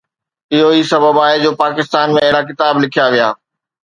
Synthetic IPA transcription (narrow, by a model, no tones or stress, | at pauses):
ɪɦoiːsɐbʱəbaːed͡ʑoːpaːkɪst̪aːnmẽɐɦɪɽak̬ɪt̪aːblɪkʰijaʋija̰ː